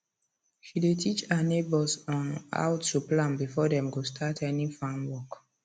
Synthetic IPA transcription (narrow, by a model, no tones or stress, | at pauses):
ʃidetʰit͡ʃanebɔsɔ̃na̰ʊttuplãnbifɔdɛ̃mɡostʰatʰɛnifãnwɔk